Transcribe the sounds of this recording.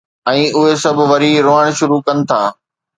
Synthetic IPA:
ɛ̃ːʊɦesɐbʱʋɐɾiɾoəɽ̃ʃʊɾukɐnɪ̆t̪ʰaː

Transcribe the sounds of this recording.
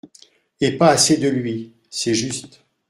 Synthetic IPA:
epaːsed̪əlɥi | sɛʒyst̪

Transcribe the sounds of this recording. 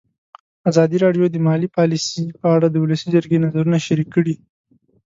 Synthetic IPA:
azɑd̪iɾɑɖjod̪əmɑlipɑlisipəaɽad̪əʊləsid͡ʒəɾɡenazaɾunaʃaɾikːəɽi

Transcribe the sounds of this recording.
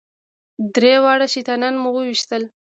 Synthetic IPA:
d̪ɾewɑɽaʃit̪ananmuwəwiʃt̪əl

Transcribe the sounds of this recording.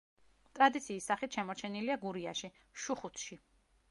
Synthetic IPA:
t̪ʼɾad̪it̪sʰiːsːaχit̪ʰʃɛmɔɾt͡ʃʰɛniliaɡuɾiaʃi | ʃuχut̪ʰʃi

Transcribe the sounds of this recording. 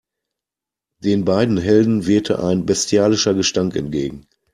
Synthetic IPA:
d̥eːnbaɪdn̩ɦɛldn̩veːɐtʰə̰ʔa̰ɪnbɛstjaːlɪʃɐɡəʃtaŋkɛ̰ntɡ̥ḛːɡŋ̩

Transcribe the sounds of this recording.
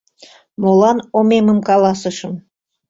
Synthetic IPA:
molɑnomemə̆mkɑlˠɑsɤ̆ʃɤ̆m

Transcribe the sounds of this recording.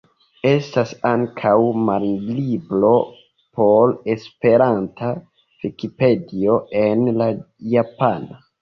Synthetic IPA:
e̞stasaŋkʰawmaɾiliblo̞ | pʰole̞spe̞ɾantʰa | vikipe̞dio̞e̞nlajapana

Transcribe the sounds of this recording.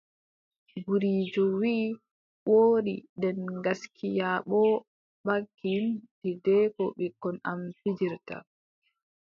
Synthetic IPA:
ɡuɾiːd͡ʒɔwiː | woːɗḭdɛnɡaskʰijaɓɔ | ɓakːintidɛkɔɓɛkɔnamfid͡ʒiɾta̰

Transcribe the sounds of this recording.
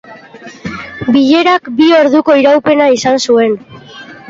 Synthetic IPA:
biʎe̞ɾakbio̞ɾðuko̞iɾawpe̞naisansue̞n

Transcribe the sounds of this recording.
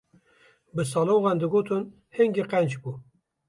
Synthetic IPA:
bɨs̬ɑːloːɣɑnd̪ɨɡoːt̪ʰɨn | heŋɡiqɛnd͡ʒbu

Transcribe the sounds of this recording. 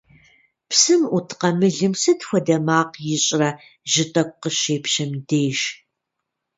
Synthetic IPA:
psɨmutʰqɐmɨɮɨmsɐtxʷɔdɐmaːqjɪɕʼrɐ | ʒɪtʼɐk̚ʷʼqəɕeːpɕɐmdeːʃ

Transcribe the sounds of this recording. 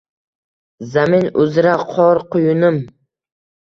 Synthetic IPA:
zamɪnʊzɾaqʰɒɾqʊjʊnɪm

